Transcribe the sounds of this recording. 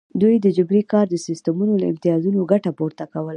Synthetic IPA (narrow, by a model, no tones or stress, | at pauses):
d̪ujd̪əd͡ʒʊbɾikɑɾd̪əsɪst̪əmunoləɪ̰mt̪ijɑzunoɡaʈapoɾt̪akawəla